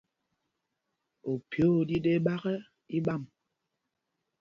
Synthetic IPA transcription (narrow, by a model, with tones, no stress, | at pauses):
o˨pjo˦˨di˦de˦ɓa˦ɣɛ˦ | i˦ɓa˦˨m